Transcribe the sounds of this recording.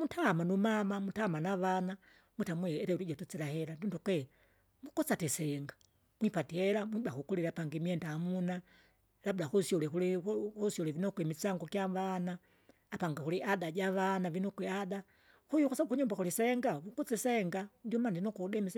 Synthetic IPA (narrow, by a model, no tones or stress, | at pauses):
mutʰamanumamamutamanaʋana | mutamwɛːɾɛuɾiɟatut͡silahɛɾandundukwɛ | mukɔt͡satisɛŋɡḁ | mwipatiɛɾamwibaxukuliɾapaŋɡimiɛndaːmuna | labulaxusjɔlɛxulihusɔlɛvinɔkwɛmit͡saŋɡɔkjaʋanaː | paŋɡaxuliʔadaɟaʋanavinɔkwɛada | xujukasabukuɲumbaxulisɛŋɡamukut͡sisɛŋɡad͡ʒumandinɔkuudɛmis